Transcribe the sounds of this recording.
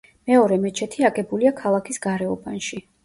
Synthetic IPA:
mɛɔɾɛmɛt͡ʃʰɛt̪ʰiaɡɛbuliakʰalˠakʰisɡ̥aɾɛɔbanʃi

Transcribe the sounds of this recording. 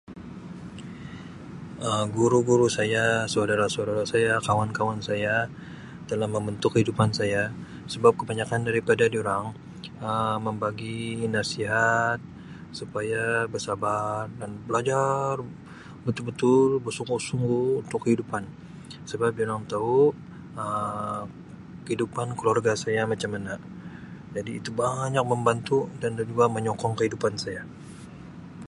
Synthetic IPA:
əmɡuɾuɡuɾusajasaudaɾasaudaɾasajakawankawansaja | t̪əlahməmbənt̪ʊkəhidupansaja | səbap̚kəbaɲakandaɾipadadioɾaŋ | əməmbaɡinasiɦat̪̚ | supajabərsabardanbəlad͡ʒar | bət̪ʊlbət̪ʊlbərsuŋɡusuŋɡuːnt̪ʊkːəhidupan | səbap̚dioɾaŋt̪au | ə | kəhidupankəluarɡasajamat͡ʃamːana | d͡ʒadiːt̪ubaɲak̚məmbant̪udandad͡ʒuaməɲɔkɔŋkəhidupansaja

